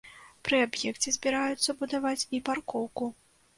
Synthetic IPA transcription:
pɾɨabjɛkt͡sʲɛzʲbʲiɾajut̪sːɐbud̪avat͡sʲiparkɔwku

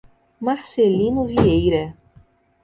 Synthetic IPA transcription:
maɾselĩnʊviejɾɐ

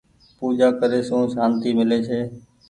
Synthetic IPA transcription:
puːd͡ʒaːkəɾeːsũːsaːnt̪iːmɪleːt͡ʃʰeː

